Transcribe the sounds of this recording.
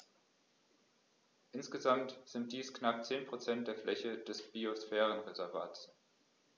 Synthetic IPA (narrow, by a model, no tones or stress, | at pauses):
ʔɪnsɡ̥əzamtz̥ɪnt̚d̥iːsknapt͡seːnpʁ̥ot͡sɛnt̚d̥eːɐflʔɛçəd̥ɛsb̥iosfɛːʁənʁezɛɐva̰ːts